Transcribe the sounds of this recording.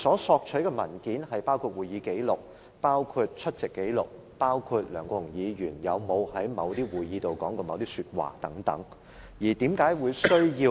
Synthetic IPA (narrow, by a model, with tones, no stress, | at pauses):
sɔː˨˥sɔː˧k̚t͡ʃʰɵ˨˥kɛː˧mɐ̰˨˩nkiː˨˥nhɐ˨jpaː˥wkʰuː˧t̚wuː˨˩jjiː˨˧ke˨˥jlʊ˨˩k̚ | paː˥wkʰu˧t̚t͡ʃʰɵ˥t̚t͡sɪ˨kːe˨˥jlʊ˨k̚ | paː˥wkʰuː˧t̚lœː˨˩ŋkɔː˧jʊ˨˩ŋjiː˨˧jyː˨˩njɐ˨˧wmo˨˧whɐ˨˥jmɐ˨˧wt̪iː˥wuː˨jjiː˨˧t̪o˨wkɔː˨˥ŋkɔ˧mɐ˨˧wt̪iː˥syː˧t̚wa̰ː˨˩t̪ɐ˨˥ŋt̪ɐ̰˨˥ŋ | jiː˨˩t̪iː˨˥mkaː˨˥jwuː˨˧jsɵ˥ɥjiː˧